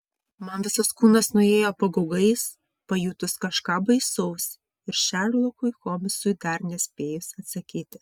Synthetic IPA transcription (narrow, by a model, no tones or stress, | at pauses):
mɐnʋʲɪsɐskuːnɐsnʊeːjoːpɐɡɐʊɡɐɪs | pɐjuːt̪ʊskɐʃkɑːbɐɪsɐʊs | ɪɾʃʲæɾlˠʊkʊɪxoːmʲɪsʊɪd̪ɐɾnʲɛsʲpʲeːjʊsɐt̪sɐkʲiːt̪ʲɪ